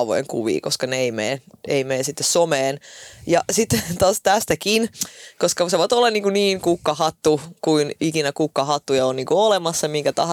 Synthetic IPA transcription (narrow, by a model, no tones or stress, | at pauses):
ʋo̰jḛŋkṵʋḭːkoskɑneeimḛːḛimeːsit̪ːessomeːnjɑsit̪ːt̪ɑːst̪æst̪ækinkoskɑseʋoit̪olːɑniːŋkuniːŋkukːɑhɑt̪ːukuinikinækukːɑhɑt̪ːujɑoniːŋkuolemɑsːɑmiŋkæt̪ɑ̰h